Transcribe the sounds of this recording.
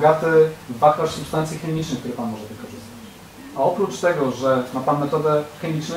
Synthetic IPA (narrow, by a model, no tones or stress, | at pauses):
ɡat̪ɛvakɔsupst̪ant̪sʲjixɛmʲit͡ʂnɘɨkt̪uɾɛpanmɔʐɛvɘkɔʐɨst̪at͡ɕ | aɔpɾut͡ʂt̪ɛɡɔʐɛnat̪amːɛt̪ɔd̪ɛxɛmʲit͡ʂnɛ